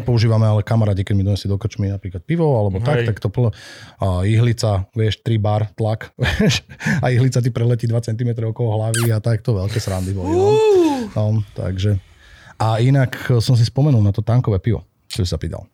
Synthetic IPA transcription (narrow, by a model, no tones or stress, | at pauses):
ɛpɔuʒiːʋamɛalɛkamaɾaːcikɛɟmid̪ɔɲɛsid̪ɔkr̩t͡ʃminapɾiːklat̪̚piʋɔalɛbɔt̪akt̪akt̪ɔpl | iɦlit͡saʋɪɛʃt̪ɾibaɾt̪lakʋɛʃaiɦlit͡sat̪ipɾɛlɛciːd̪ʋat͡sɛnt̪̬imɛt̪ɾɔʊɔkɔlɔɦlaʋiat̪akt̪ɔʋɛlkɛːsɾand̪ibɔli | nɔt̪a̰ɡʒɛ | ʔainaksɔms̬ispɔmɛnulˠnat̪ɔt̪aːŋkɔʋɛːpiʋɔ̰ | kt̪ɔbisapiːt̪a̰l